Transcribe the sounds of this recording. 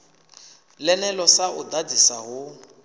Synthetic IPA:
lɛnɛlɔsaʔʊdad͡zisaɦʊ

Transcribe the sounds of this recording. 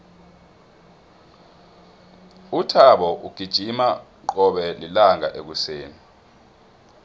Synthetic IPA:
utʰaɓɔʔuɡ̥ʱid̥ʒ̥ʱima | ǃɔɓɛlilaŋʱaʔek̬useːni

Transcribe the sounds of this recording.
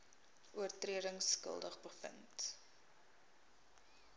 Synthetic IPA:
ʔuərtriədəŋskə̰lˠdəχbəfə̰nt

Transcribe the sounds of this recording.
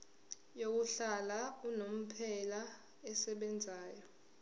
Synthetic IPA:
jok̬uɬalaunom̩pʰɛla | ɛsɛɓɛnd͡zʱaːjɔ

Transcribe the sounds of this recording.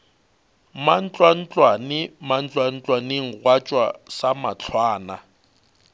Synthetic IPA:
man̩t͡ɬʼwan̩t͡ɬʼwanɪman̩t͡ɬʼwan̩t͡ɬʼwanɪŋ̩rwat͡ʃʼwa̰samat͡ɬʰwaːna

